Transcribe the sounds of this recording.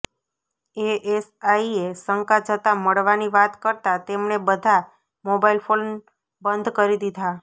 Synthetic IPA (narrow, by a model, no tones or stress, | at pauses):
eesaiesəŋkad͡ʒət̪aməɭʋaniʋat̪kəɾt̪at̪emɳebəd̪ʱa | mobailfon | bənd̪ʱkəɾid̪id̪ʱa